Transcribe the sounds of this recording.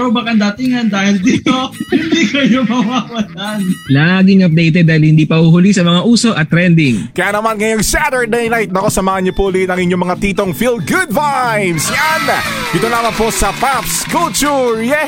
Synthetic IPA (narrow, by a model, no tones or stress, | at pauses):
ɾobɐkɐnd̪at̪ɪŋɐnd̪aːhɪld̪ibohɪnd̪ikɐjomɐwaːwɐlanlaɡɪŋɐp̚d̪ejt̪ɛd̪̚ːaːhɪilhɪnd̪iːpɐhuhʊlisɐmɐŋaʔuːso̞ʔɐt̪ːɾɛnd̪ɪŋkɐjaːnɐmanŋɐjoŋsat̪ɛɹd̪ejnajt̪̚nɐkosɐmaːhɐɲɲopolinɐŋɪɲːomɐŋat̪iːt̪o̞ŋfilɡʊd̪vajmsjan | d̪ɪt̪onaːmɐnposɐpafskult͡ʃuɹjɛ